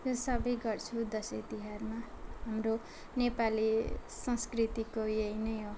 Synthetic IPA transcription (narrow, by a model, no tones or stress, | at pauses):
josʌbʌjɡʌrt͡sʰud̪ʌset̪iɦarma | ɦamro | nepalisʌ̃skrit̪ikojejnʌjo